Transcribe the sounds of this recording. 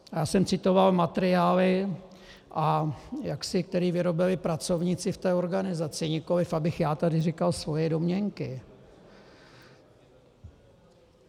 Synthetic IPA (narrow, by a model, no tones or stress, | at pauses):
jaːsɛmt͡sɪt̪o̞valmat̪ɛɾɪaːlɪ | ʔajaksɪk̚t̪ɛɾiːvɪɾo̞bɪlɪpɾat͡so̞vɲɪt͡sɪft̪ɛːo̞ɾɡanɪzat͡sɪɲɪko̞lɪfabɪxjaːt̪adɪrɪkalsvo̞jɛdo̞mɲɛŋkɪ